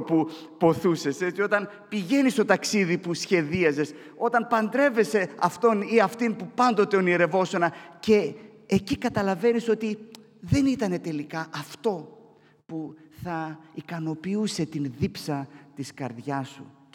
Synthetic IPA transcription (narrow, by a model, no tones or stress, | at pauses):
pupo̞θuse̞se̞t͡sio̞t̪ɐn | piʝe̞nist̪o̞t̪ɐksiðipusçe̞ðiɐze̞s | o̞t̪ɐnpɐnd̪ɾe̞ve̞se̞ɐft̪o̞niɐft̪inpupɐnd̪o̞t̪eonieɾe̞vo̞so̞nɐce̞ːcikɐt̪ɐlɐve̞niso̞t̪i | ðe̞nit̪ɐne̞t̪e̞likɐʔɐft̪o̞ | puθɐikɐno̞piuse̞t̪inðipsɐt̪iskɐɾðʝɐsṵ